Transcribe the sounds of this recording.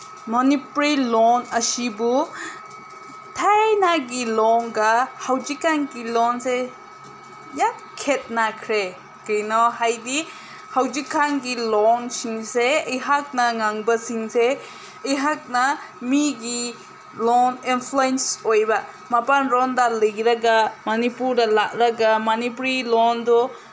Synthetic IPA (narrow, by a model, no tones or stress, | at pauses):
mɔnipuɾilɔnəsibu | tʰajnaɡilɔŋɡahawd͡ʒikːaŋɡilɔnse | ja | kʰet̚nakʰɾe | kɯjnɔhajdi | hawd͡ʒikʰːaŋɡilɔnsiŋseɐjɦak̚nɐŋaŋbɐsiŋse | ɐjɦak̚nɐmiɡi | lɔninpʰluensojba | mapanɾɔndalɯɡiɾaɡamanipuɾdɐlaʔ̚ɾaɡamanipɾilɔndɔ